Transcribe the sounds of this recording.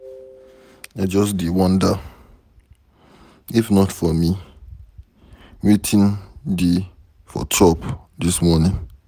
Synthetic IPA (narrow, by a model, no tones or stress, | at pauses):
ad͡ʒɔsdiwɔ̃nda | ifnɔtfɔmi | wetʰĩnde | fɔ̰tʰɔpdismɔnɪ̃ŋ